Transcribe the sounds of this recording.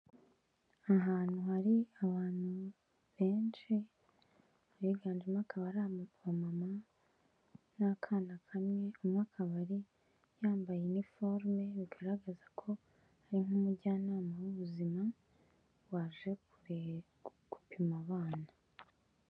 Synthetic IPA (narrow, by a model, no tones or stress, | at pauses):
aɦaːn̥huhaɾiaβaːn̥hu | βe̞ːnʃi | ɾiɡaːnd͡ʒimŋaːkʰaβaɾaβamama | nakʰaːnakʰamŋe̞omŋaːkʰaβaɾi | jaːmbajenifo̞ɾme̞βiɡaɾaɡazakʰo̞ | haɾiŋumuɟaːnaːmawuβuzima | waːʒe̞kuɾe | ku̥pimaβaːna